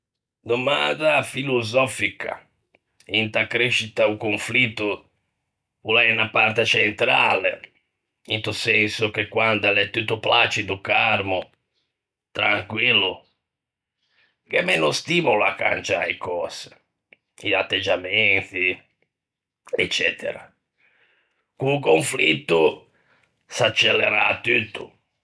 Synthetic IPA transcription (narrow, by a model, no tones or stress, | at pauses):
d̪omand̪afilozɔfikʰa̰ | int̪akɾeʃːit̪aukoɱflit̪ːʊ | pulɛnapart̪at͡ʃɛnt̪ɾa̰ːlḛ | int̪usɛnsʊk̟ekːwand̪alɛt̪ːut̪ːoplat͡ʃid̪ʊkarmʊ | t̪ɾaŋkwilːʊ | kɛmɛnʊst̪imulakːa̰nt͡ʃa̰ikɔːsɪ̥ | at̪ːed͡ʒːamɛnt̪i | ɛt͡ʃːɛːt̪ʰḛɾa̰ | kukoɱflit̪ːʊ | sat͡ʃːelːeɾaːt̪ːut̪ːʊ